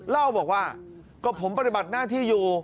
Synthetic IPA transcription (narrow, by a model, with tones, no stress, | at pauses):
la˥˩wbɔː˨˩k̚waː˥˩ | kɔː˥˩pʰo˩˦mpa˧t̪i˨˩ba˨˩t̪̚naː˥˩t̪ʰiː˥˩juː˨˧